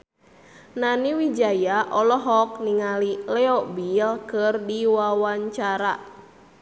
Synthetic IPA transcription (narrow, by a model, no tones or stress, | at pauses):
naniwid͡ʒajaʔɔlɔɦɔk̚niŋalilɛɔbilkɨrdiwawaɲt͡ʃaɾa